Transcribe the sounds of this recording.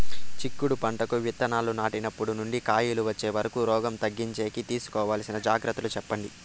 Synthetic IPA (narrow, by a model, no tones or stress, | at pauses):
t͡ʃikːuɽupɐɳʈɐkuʋit̪ːɐnaːlunaːʈinɐpːuɽunuɳɖikaːjiluʋɐt͡ʃːe̞ːʋɐɾɐkuːɾɔːɡɐmt̪ɐɡːiɲt͡ʃeːkit̪iːsu̥kɔːʋaːlsinɐd͡ʒaːɡɾɐt̪ːɐlut͡ʃɛpːɐɳɖi